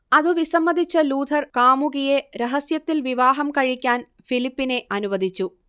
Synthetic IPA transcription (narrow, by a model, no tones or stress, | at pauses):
ɐðɨʋisɐmːɐd̪ʱit͡ɕːɐluːd̪ʱɐrkaːmuɣijeɾeɦɐsjɐt̪ːilʋiʋaːɦɐmkɐɻikʲːaːn | filipːine̞ʔɐnuʋɐd̪ʱit͡ɕːu